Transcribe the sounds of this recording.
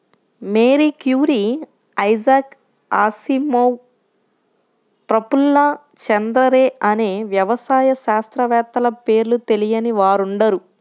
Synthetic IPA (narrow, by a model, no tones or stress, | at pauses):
meːɾikjuːɾi | ɐjd͡ʒaːk | aːsimɐw | pɾɐpulːɐ | t͡ʃɐnd̪ɾɐɾeːɐneːʋjɐʋɐsaːjɐʃaːst̪ɾɐʋɛːt̪ːɐlɐpe̞ːɾlut̪e̞lijɐniʋaːɾuɳɖɐɾu